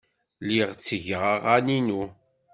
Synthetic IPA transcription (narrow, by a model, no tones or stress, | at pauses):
liʁt͡sːəʝəʁəʁaninu